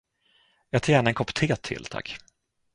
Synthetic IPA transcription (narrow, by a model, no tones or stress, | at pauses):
jɑːt̪ʰɾɛːnaɛnkʰɔpt̪ʰeːt̪ʰɪ̰lːt̪ʰa̰kː